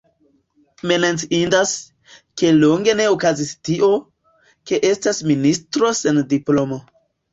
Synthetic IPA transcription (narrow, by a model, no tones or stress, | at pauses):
menant͡siindas | ke̞lo̞ŋɡe̞ne̞okazistiʔo̞ | ke̞ʔe̞stasministɾo̞sendiplo̞mo